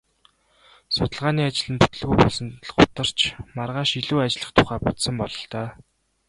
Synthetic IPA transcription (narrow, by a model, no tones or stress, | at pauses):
sʊt̪ə̆ɮʁaːniːat͡ɕɪ̆ɮɘ̆npu̥t̪ɘ̆ɮɣujpɔɮsɞ̆nt̪əɮɢʊt̪ə̆r̥t͡ɕʰmarʁaːʃiɮuːat͡ɕɪ̆ɮə̆χt̪ʰʊχæːpʊt̪sə̆mpɔɮɞ̆ɬt̪œː